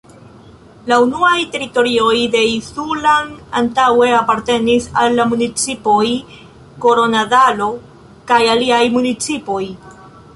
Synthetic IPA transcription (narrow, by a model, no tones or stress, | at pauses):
launuajte̞ɾito̞ɾio̞jde̞isulana̰ntawe̞apaɾte̞nisa̰lːamunit͡sipo̞j | ko̞ɾo̞nadalo̞ | kajaliajmunit͡sipo̞j